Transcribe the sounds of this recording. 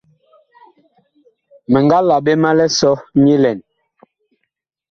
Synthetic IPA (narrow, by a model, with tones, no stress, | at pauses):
mɛ˨ŋɡa˦la˨ɓe˦ma˦lɛ˦sɔ˦ɲi˦lɛ˨n